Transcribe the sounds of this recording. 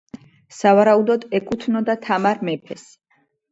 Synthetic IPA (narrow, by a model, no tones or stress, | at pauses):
savaɾaud̪ɔd̪ɛkʼut̪ʰnɔd̪at̪ʰamaɾmɛpʰɛs